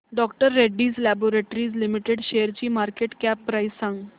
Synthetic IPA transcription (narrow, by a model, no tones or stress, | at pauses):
ɖɔkʈəɾːeɖːiːd͡zlæboɾeʈɾiːd͡zlimiʈeɽɕejəɾt͡ɕiːmaɾkeʈkæpːɾajssãŋɡ